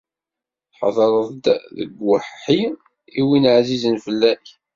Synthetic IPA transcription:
θħɑ̰ðˤɾˤəðˤd̪ðə̰ɡwəħħi | iwinəʕzizənfəlːæç

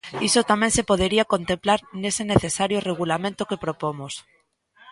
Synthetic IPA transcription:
isot̪amẽnsepoð̞eɾiakont̪ẽmplaɾneseneθesaɾjoreɣ̞ulamẽnt̪okepɾopomos

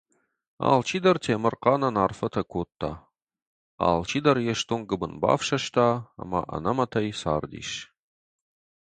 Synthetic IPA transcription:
a̰ːlt͡ʃʰiːd̪ɐrtʰeːmɨrqɑːnɐnaːrfɐtʰɐkʷʰoːt̪ʰːa̰ | a̰ːlt͡ʃʰiːd̪ɐrjɛʃt̪ʰonɡɨbɨnba̰ːfʃɐʃtʰaːa̰mɐ̰ʔɐ̰nɐmɐtʰɐjsaːrd̪ḭːʃ

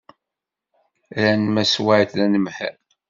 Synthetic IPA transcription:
ɾænmæswaʕt̪lænəmħə̰ɾ

